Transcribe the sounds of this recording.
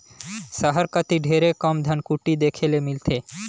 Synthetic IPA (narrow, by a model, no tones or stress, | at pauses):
ʃaɦaɾkat̪iɖʱeɾekɔmd̪ʱankuʈid̪ekʰelemilt̪ʰe